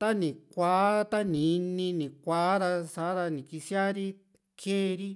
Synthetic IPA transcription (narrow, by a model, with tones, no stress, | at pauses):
t̪a˦nĩ˨kʷa˨˦t̪a˦nĩ˨˧nĩ˧nĩ˨kʷa˨˦ɾa˧sa˨˦ɾa˧nĩ˨ki˧sja˦ɾi˦ | kʰeː˦˧ɾi˦